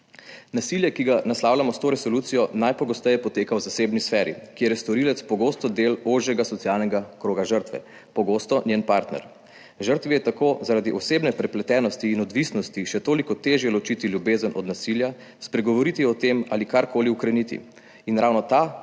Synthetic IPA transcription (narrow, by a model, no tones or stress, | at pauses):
nasiljɛkiɡanaslawlʲamɔst̪oːɾɛsɔluːt̪sijɔnajpɔɡɔst̪ɛjɛpɔt̪eːkawzaseːbnisfɛːɾḭkijeɾjɛst̪ɔɾilɛt̪spɔɡoːst̪ɔd̪eloːʒjɛɡasɔt̪sialnɛɡakɾoːɡaʒəɾt̪ʋɛ̰ | pɔɡost̪ɔnjenpaɾt̪nɛ̰ɾ | ʒəɾt̪ʋijɛt̪akoːzaɾaːd̪iʔɔseːbnɛpɾɛplɛt̪ɛːnɔst̪iːnɔd̪ʋisnɔst̪iʃɛt̪oːlikɔt̪eːʒjɛlɔt͡ʃit̪iljubeːzənʔɔ̰d̪nasilja | spɾɛɡɔʋɔɾit̪iɔt̪emalikaɾkoːliukɾɛnit̪ḭ | inɾʔawnɔt̪a